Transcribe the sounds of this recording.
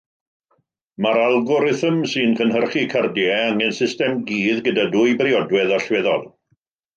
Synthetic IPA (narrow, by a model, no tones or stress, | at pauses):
maɾalˠɡʊɾɪθəmsɨːnkʰənɦərχikʰardjɛaŋɛnsɪstɛmɡiːðɡədaduːjbriɔdwɛðɔɬwɛðɔd